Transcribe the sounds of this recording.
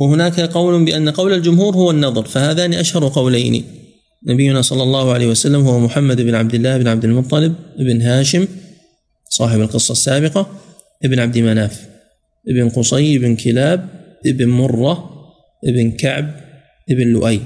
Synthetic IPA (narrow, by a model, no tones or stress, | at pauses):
wɪhʊnaːkaqɑwlʊbɪʔanːaqɑwlald͡ʒʊmhuːɾhʊwanːɑðˤɑɾˤfahaːðaːniʔaʃhɑɾˤuqɑwlajnḭ | nabɪjːʊnasˤɑlːɑlˤːɑːhʊʕalaːhwasalːamhʊwamʊħamːad̪ʔɪbnʕab̚d̪ɪlːaːʔɪbnʕab̚d̪ɪlmʊt̪ˤːɑlɪb̚ʔɪbnɦaːʃɪm | sˤɑːħɪbalqɨsˤːɑsːaːbɪqɑ | ʔɪbnʕab̚d̪ɪmanaːf | ʔɪbɪnqʊsˤɑjɪbnkʰɪlaːb̚ʔɪbnmʊrˤːɑ | ʔɪbɪnkaʕb̚ | ʔɪbnlːʊ̰ʔaj